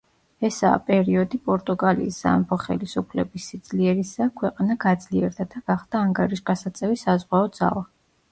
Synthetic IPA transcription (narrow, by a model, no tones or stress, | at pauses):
ɛsa̰ːpʼɛɾiɔd̪ipʼɔɾt̪ʼuɡalḭːsz̥a̰mpʰɔχɛ̰lisupʰlɛbisːid̪zliɛɾisakʰwɛqʼanaɡad̪zliɛɾd̪ad̪aɡ̥aχd̪̥aːŋɡaɾiʃɡasat̪sʼɛvisazʁwaɔd̪za̰lˠa